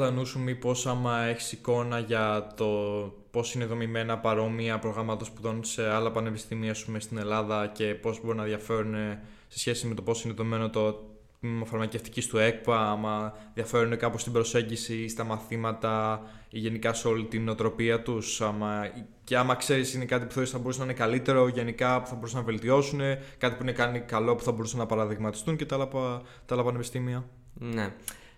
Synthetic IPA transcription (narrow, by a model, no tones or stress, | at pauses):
ðɐnusumipo̞sɐmɐe̞çi̥siko̞nɐʝɐt̪o̞ | po̞sineðo̞mime̞nɐpɐɾo̞miɐpɾo̞ɣɾɐmɐt̪ɐspuðo̞nse̞ɐlɐpɐne̞pisθimiɐsumest̪ine̞lɐðɐce̞po̞zbo̞ɾinɐðjɐfe̞ɾune̞ | sesçe̞sime̞t̪o̞po̞sineðomime̞not̪o | mofɐɾmɐce̞ft̪i̥cist̪ue̞k̚pɐɐmɐðjɐfe̞ɾune̞kɐpost̪ibɾo̞se̞ɲɟisist̪ɐmɐθimɐt̪ɐiʝe̞nikɐseo̞lit̪inot̪ɾo̞piɐt̪usɐmɐ | ce̞ɐmɐkse̞ɾisine̞kɐt̪ipu̥θeisθɐbo̞ɾusninekɐlit̪e̞ɾo̞ʝe̞nikɐpu̥θɐbo̞ɾusenɐve̞lt̪io̞sune̞kɐt̪ipuinekɐnikɐlo̞pu̥θɐbo̞ɾusenɐpɐɾɐðiɣmɐt̪i̥st̪unce̞t̪ɐlɐpɐ | t̪ɐlɐpɐne̞pist̪imiɐ | ne